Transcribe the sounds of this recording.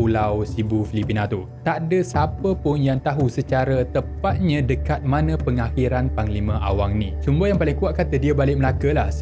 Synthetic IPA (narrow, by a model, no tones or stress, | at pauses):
ulawsibufilipinãt̪u | t̪adəsapəpʊnjaŋt̪aɦusət͡ʃaɾət̪əpat̪̚ɲãdəkat̪̚mãnə̃pəŋahiɾanpaŋlimə̃ʔa̰waŋnĩt͡ʃumbəjaŋpalɪŋkuaʔ̪̚kat̪ədiəbalɪʔ̚məlakəlah